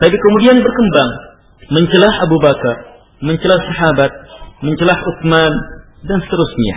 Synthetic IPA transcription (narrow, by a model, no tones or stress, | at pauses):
t̪apikomudianbərkəmbaŋ | məɲt͡ʃəlahabubakar | məɲt͡ʃəlahsaɦabat̪̚məɲt͡ʃəlahʊk̚man | dansə̥t̪əɾusɲa̰